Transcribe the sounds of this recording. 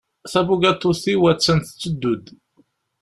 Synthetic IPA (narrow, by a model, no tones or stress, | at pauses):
θæbuɡæt̪ːuθiwæt͡sːənθə̥t͡sːəd̪ːud̪